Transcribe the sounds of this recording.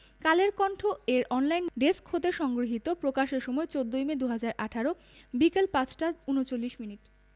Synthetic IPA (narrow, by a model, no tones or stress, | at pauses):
kaleɾkɔɳʈʰoeɾɔnlajnɖeskhot̪eʃɔŋɡɾoɦit̪opɾokaʃeɾʃɔmɔet͡ɕod̪ːojmed̪uɦad͡ʑaɾʔaʈʰaɾo | bikelpãt͡ɕʈaunot͡ɕolːiʃminiʈ